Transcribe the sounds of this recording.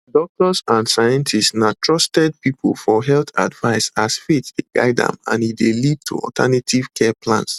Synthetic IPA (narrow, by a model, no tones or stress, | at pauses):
dɔk̚tɔsãndsajɛ̃ntʰistnatʰɹɔstɛd̚pipʰo̰lfɔɦɛlt̪a̰dvaɪsasfetdeɡa̰ɪdã̰mã̰nidelid̚tʰṵɔ̰ltʰanetʰiv̥kʰɛpʰlã̰ns